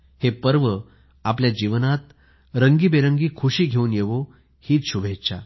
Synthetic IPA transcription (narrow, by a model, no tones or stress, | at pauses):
hepəɾʋə | apljad͡ʑiʋnat̪ | ɾəŋɡiːbeɾəŋɡiːkʰuɕiːɡʱeuːnjeʋo | hiːt̪ɕubʱet͡ɕa̰